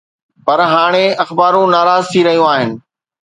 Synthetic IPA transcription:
pɐɾɦaːɽ̃eɐxbaːɾũnaːɾaːzt̪ʰiɾɐɦijũaːɦɪnɪ̆

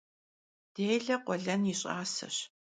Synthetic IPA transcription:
d̥eːjɮɐqʷɔɮɐniɕʼaːsɐ̰ɕ

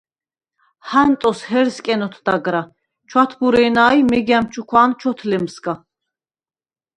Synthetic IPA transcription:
hant̪ʼɔshɛɾskʼɛnɔt̪ʰd̪aɡɾa | t͡ʃʰwat̪ʰbuɾɛːnaːjmɛɡamt͡ʃʰukʰwaːnt͡ʃʰɔt̪ʰlɛmskʼa

